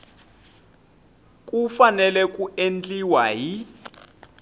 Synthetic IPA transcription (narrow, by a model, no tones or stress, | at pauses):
kʼufanɛlɛk̬ʼuend͡ɮiwaɦi